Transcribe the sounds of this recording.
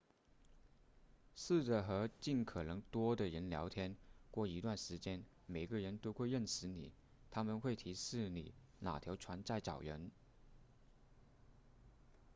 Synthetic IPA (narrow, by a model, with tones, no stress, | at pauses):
ʂ̩˥˩ʈ͡ʂə˨˩xɤ˧˥t͡ɕi˥˩nkʰɤ˨˩nɤ˧˥ŋt̪wɔ˥d̪ə˨ɻə˧˥nljɑ̰˧˥ʊt̪ʰjɛ˥nkwɔ˥˩i˧˥t̪wa˥˩nʂɻ̩˧˥t͡ɕjɛ˥n | me˨˩ɪɡə˧ɻə˧˥nt̪o˥ʊxwe˥˧ɪɻə˥˩nʂɻ̩˧˥nḭ˨˩˦ | t̪ʰa˥mə˨nxwe˥˩ɪt̪ʰi˧˥ʂɻ̩˥˩nḭ˨˩˦ | na̰˨˩t̪ʰjɑ˧˥ʊʈ͡ʂʰwa˧˥nt͡sa˥˩ɪt͡sɑ˨˩ʊɻə̰˧˥n